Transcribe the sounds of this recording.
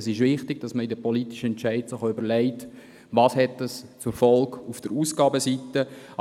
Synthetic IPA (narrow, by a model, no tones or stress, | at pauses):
sɪʃʋɪχtɪɡ̥̚d̥ɑsməidəpɔlitiʃəɛnt͡ʃæɪtsɔχʏbəɾlɛɪt | ʋɑːshɛtəst͡sʊɾfɔlkufd̥əɾuːsɡ̥ɑːbəsitə